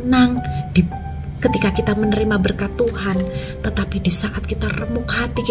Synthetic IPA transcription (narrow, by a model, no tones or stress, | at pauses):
naŋd̥i | kət̪ikakit̪amənəɾimabərkat̪uɦan | t̪ət̪apidisaʔat̪̚kit̪arəmʊkhat̪ik